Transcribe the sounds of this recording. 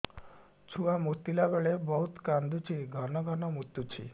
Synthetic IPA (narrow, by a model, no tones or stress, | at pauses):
t͡ʃʰuamut̪ːilabeɭebɔɦut̪kand̪ut͡ʃʰiɡʱɔnɔɡʱɔnɔmut̪ːut͡ʃʰḭ